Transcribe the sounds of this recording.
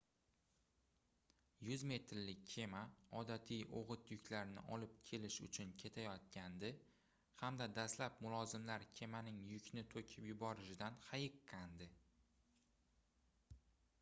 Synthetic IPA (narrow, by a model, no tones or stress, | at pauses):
jʊzme̞t̪ɾlɪkʲːʰe̞maɒd̪at̪ʰijo̰ʁɨt̪jʊkʲʰlaɾnɪ̰ʔɒlɪp̚kʲʰe̞lɪʃʊ̰t͡ʃʰʊnkʲʰe̞t̪ʰajɒt̪̚kʲʰand̪ɪ | hamd̪ad̪aslapmʊlˠɒzɪmlaɾkʲʰe̞manɪŋjʊkʲʰnɪt̪ʰokʲʰɪpjʊbɒɾɪʃɪd̪anhajɪqʰːɑnd̪ɪ